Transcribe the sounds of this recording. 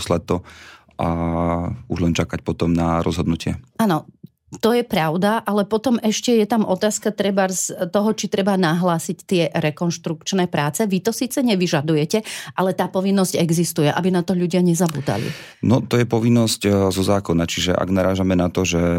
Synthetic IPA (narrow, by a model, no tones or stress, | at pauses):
slat̪ːɔ | ʔa | uʒlɛnt͡ʃakac̚pɔt̪ɔmnaɾɔ̰zɦɔd̪nucɪɛ̰ʔaːnɔ | t̪ɔjɛpɾaʊd̪aʔalɛpɔt̪ɔmɛʃcɛjɛt̪amʔɔt̪aːskat̪ɾɛbaɾst̪ɔɦɔt͡ʃit̪ɾɛbanaɦlaːsict̪ɪɛɾɛkɔnʃt̪ɾukt͡ʃnɛːpɾaːt͡sɛʋit̪ɔsiːt͡sɛɲɛʋiʒad̪ujɛcɛʔalɛt̪aːpɔʋinːɔzɟɛɡzist̪ujɛʔa̰binat̪ɔʎuɟɪaɲɛzabṵːd̪a̰lḭ | nɔt̪ɔjɛpɔʋinːɔsczɔzaːkɔnat͡ʃiʒɛʔa̰ɡnaɾaːʒamɛnat̪ɔʒɛ